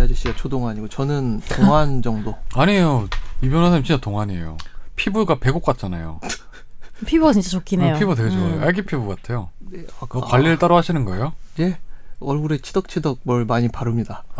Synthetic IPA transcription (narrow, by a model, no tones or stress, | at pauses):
ad͡ʑiɕ͈id͡ʑat͡ɕʰodoŋaɲiɡot͡ɕʌnɯntoŋɦand͡ʑʌŋdoaɲijoibjʌnansʰaɲimt͡ɕint͡ɕ͈atoŋɦaɲḛjo̰pʰibuɡape̞ɡok̚k͈at̚t͡ɕ͈ana̰jo̰ | pʰibuat͡ɕint͡ɕ͈at͡ɕokʰinejopibuat̬eɡed͡ʑooʔaɭɡipʰibuk͈atʰe̞joneak͈kwaʎːiɾɯɭt͈aɾoɦaɕʰinɯnɡʌejoje̞ʌɭɡuɾe̞t͡ɕʰidʌk̚t͡ɕʰidʌɡ̚mʌɭmaɲipaɾɯmɲida